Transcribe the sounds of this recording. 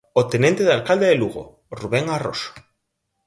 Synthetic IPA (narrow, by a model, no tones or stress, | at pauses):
ot̪enẽnt̪eðalkald̪eðeluɣo̰ | ruβeŋaro̰s